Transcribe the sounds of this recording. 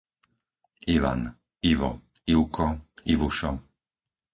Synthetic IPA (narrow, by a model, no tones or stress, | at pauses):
iʋa̰n | iʋɔ̰ | iwkɔiʋuʃɔ